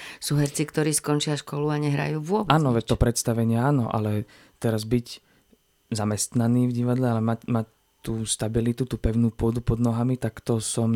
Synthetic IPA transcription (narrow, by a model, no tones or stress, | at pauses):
suːɦɛɾt͡sikt̪ɔɾiːskɔnt͡ʃɪaʃkɔluaɲɛɦɾa̰juːʋʊɔbaːnnɔʋɛt̪ɔpɾɛt̪st̪aʋɛɲɪɛaːnɔ̰ʔa̰lɛ | t̪ɛɾazbic | zamɛst̪naniːvɟiʋad̪lɛalɛmacmac | t̪uːst̪abilit̪ut̪uːpɛʊnuːpʊɔd̪upɔd̪nɔɦamit̪akt̪ɔsɔm